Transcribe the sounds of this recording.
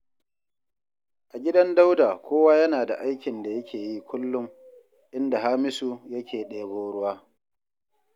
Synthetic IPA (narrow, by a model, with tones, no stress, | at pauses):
ʔa˨ɡʲɪ˦dɐ˦nda˦wdaː˨kʷoː˦waː˦jɐ˦naː˨da˨ʔa˦jkʲɪ˨nda˨jɐ˦kʲeː˨ji˦kʷʊ˦lːʊ˦m | ʔɪ˦nda˨ɦa˦mɪ˦su˨jɐ˦kʲeː˨ɗeː˨boː˦ɽʊ˦waː˦